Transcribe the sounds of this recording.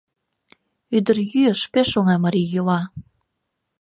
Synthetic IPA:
yd̪ərjyəʃpeʃoŋɑmɑɾijolɑ

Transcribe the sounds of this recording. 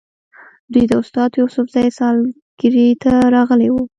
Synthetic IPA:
d̪ujd̪əʊst̪ɑd̪jusʊfzɑjsɑl | ɡ̥ɪɾit̪ʰaɾɑɣəlewu

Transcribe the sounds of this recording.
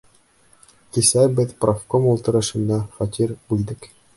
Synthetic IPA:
kisæbɘðprofkomulˠt̪ɤ̆ɾɤ̆ʃɤ̆nːɑχɒt̪ʲiɾbʉld̪ɘk

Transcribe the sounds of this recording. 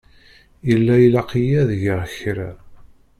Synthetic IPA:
jəlːæjəlɑqijæðʝəʁçɾæ̰

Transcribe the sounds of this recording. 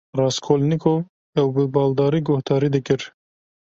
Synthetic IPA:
rɑːskʰoːlnikʰov | ɛwbɨbɑːld̪ɑːɾiːɡohd̪ɑːɾiːd̪ɨkɪɾ

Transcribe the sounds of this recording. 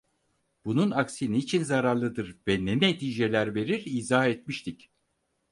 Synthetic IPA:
b̥ununaksiniːt͡ʃʰinzaɾaɾlˠɯd̪ɯɾvɛnenet̪ʰiːd͡ʒe̞lʲæɾve̞ɾiɾiːzahɛt̪miʃt̪ʰic

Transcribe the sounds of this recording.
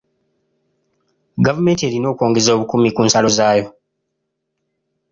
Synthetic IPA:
ɡavume̞ːnte̞ːɾino̞ːkwo̞ːŋɡe̞zo̞ːβukumikuːnsalo̞zaːjo̞

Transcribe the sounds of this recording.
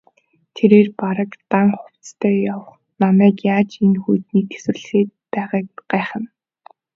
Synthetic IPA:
t̪ʰeɾeːrpaɾə̆kt̪aŋχʊw̥t͡st̪ʰœːjawə̆χ | namæːkjaːt͡ɕenxujt̪̚niːt̪ʰe̥swɘ̆rɮeːt̪̚pæːʁaːkɢ̥æːχə̆n

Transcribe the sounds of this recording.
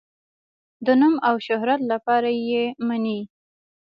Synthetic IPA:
d̪ənumawʃʊɦɾat̪lapɑɾajemani

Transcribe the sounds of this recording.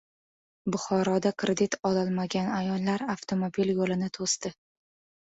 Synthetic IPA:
bʊχɒɾɒd̪akʰɾʔed̪it̪ʰɒlɒlˠmaɡʲanajɒlˠːaɾaft̪ʰomobiljolɪnɪt̪ʰost̪ɪ

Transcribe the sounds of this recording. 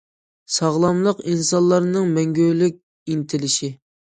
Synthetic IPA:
sɑʁlˠɑmlˠəqinsɑnlˠːɑɾnɨŋmɛŋɡʲølɪk̚ʲ | int̪ʰɪlɪʃi

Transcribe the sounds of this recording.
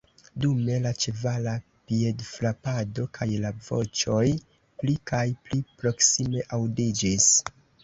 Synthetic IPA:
dume̞lat͡ʃevala | pie̞dflapado̞kʰajlavo̞̰t͡ʃo̞j | plikʰajplipɾo̞ksime̞ʔawdid͡ʒis

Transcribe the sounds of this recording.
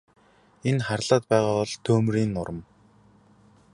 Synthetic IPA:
enχarɮaːt̪̚pæːʁaːpɔɮt̪ʰɵːmriːnːʊɾə̆m

